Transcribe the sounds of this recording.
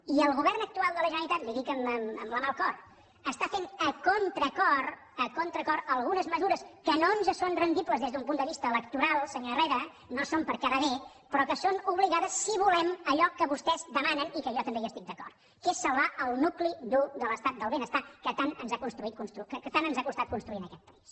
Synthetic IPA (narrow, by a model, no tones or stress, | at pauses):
iəlˠɣuβɛrnək̚t̪ualˠd̪ələʒənəɾit̪at̪liðikəməməmləmalˠkɔr | əst̪afenəkont̪ɾəkɔr | əkont̪ɾəkɔɾəlˠɣunəzməzuɾəskənonʒasonrənd̪ipləzðezðumpund̪əβist̪əːləkt̪uɾalˠsəɲoəreɾə | nosompəɾkaɾəβe | pɾɔkəsonuβliɣaðəsːiβ̞ulɛməʎɔkəβust̪ɛzd̪əmanənikəʒɔt̪əmbejəst̪ik̚d̪əkɔ̰rt̪ | kesəlˠβaʔəlˠnuklid̪ud̪ələst̪at̪̚d̪əlˠβenəst̪akət̪anənzakunst̪ɾuit̪̚kunst̪ɾukəkət̪anənzakust̪at̪̚kunst̪ɾuinəkɛt̪̚pəis